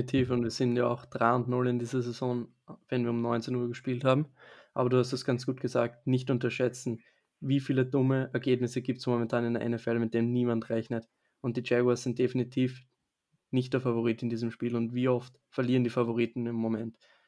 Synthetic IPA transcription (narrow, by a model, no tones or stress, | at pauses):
itʰiːfʊntviːɐz̥ɪntjaa̰ʊxd̥ʁaɪʊntnʊlɪndiːzɐzezɔ̃ːn | vɛnviːɐʊmnɔʏnt͡senuːɐɡəʃpiːlthaːbm̩ʔaːbɐduːhastɛsɡ̥ant͡sɡ̥uːt̚ɡ̥əzaːk̚tnɪçtʔʊntɐʃɛt͡sn̩ | viːfiːlədʊməʔɛɐɡeːbnɪsəɡiːp̚tsmomɛntʰaːnɪndeɐ̰ʔɛ̰nɛfɛlmɪt̚d̥eːmniːmantʁɛçnət | ʊnt̚d̥iːt͡ʃɛɡwɐsz̥ɪnt̚d̥efinitʰiːf | nɪçt̚d̥ɛɐfavoʁ̞iːtɪndiːzəmʃpiːlʊntviːɔft | fɐliːʁəndiːfavoʁ̞iːtn̩ɪmːomɛnt